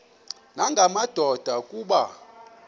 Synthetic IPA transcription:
naŋɡʱamad̥ʱɔd̥ʱakʼuːɓa

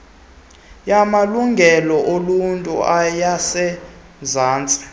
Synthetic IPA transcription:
jamaluŋɡʱɛlɔʔoluntʼṵajasɛ | zaːnt͡sʼḁ

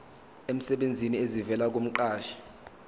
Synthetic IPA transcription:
em̩sɛɓend͡zʱiniezivɛlak̬om̩ǃaːʃḁ

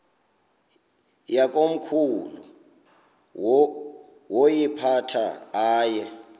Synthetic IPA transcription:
jak̬ʼom̩kʰulṵ | wojipʰatʰa̰aːjɛ

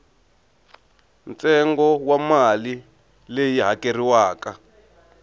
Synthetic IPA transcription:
nt͡sɛŋɡɔwamali | lejiɦakeriwaːka

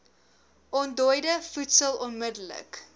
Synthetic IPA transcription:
ʔɔndɔjdəfutsəlˠɔnmədələ̰k

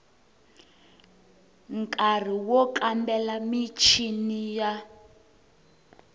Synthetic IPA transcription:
ŋkʼar̤iwɔkambɛlamit͡ʃʰinija

